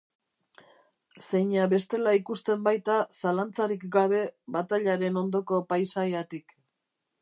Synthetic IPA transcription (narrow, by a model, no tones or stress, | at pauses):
se̞jɲaβe̞st̪e̞laikust̪e̞mbajt̪asalant͡saɾikɡaβ̞e̞βat̪aʎaɾe̞no̞nd̪o̞ko̞pajsajat̪ik